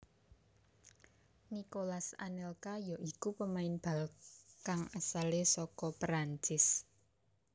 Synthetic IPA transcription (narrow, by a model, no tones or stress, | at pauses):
nikolasa̰nɛlkajɔʔikupəmaɪnb̥a̤lkaŋasalesɔkɔpɾaɲt͡ʃɪs